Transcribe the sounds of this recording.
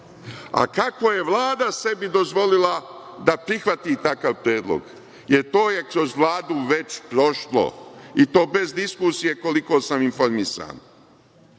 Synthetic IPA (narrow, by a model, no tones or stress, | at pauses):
a̰kako̞je̞ʋlˠaːd̪ase̞bid̪o̞zʋo̞lila | d̪apɾixʋat̪it̪akaʋpɾjeːd̪lˠo̰ɡ | je̞ɾt̪oːje̞kɾo̞zʋlˠaːd̪uʋe̞t͡ɕpɾo̞ʃlo̰it̪o̞ːbe̞zd̪iskusije̞ko̞liko̞ːsaminfo̞ɾmisa̰ːn